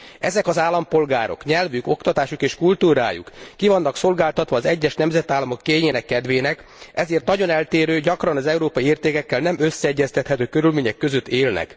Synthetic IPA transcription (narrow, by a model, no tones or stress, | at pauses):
ɛzɛkɒzaːlːɒmpo̞lɡaːɾo̞̰kɲɛlvyko̞kt̪ɒt̪aːʃukeːʃkult̪uːɾa̰ːjṵkːivɒnːɒkso̞lɡaːlt̪ɒt̪ʋɒːzɛɟːɛʃnɛmzɛt̪aːlːɒmo̞kːeːɲeːnɛkːɛd̪ʋeːnɛkɛzeːrt̪nɒɟo̞nɛlt̪eːɾøːɟɒkrɒnɒzɛuɾoːpɒjieːrt̪eːkɛkːɛlnɛmøsːɛɛɟːɛst̪ɛt̪hɛt̪øːkø̞ɾylmeːɲɛkːø̞zø̞t̪ːeːlnɛ̰k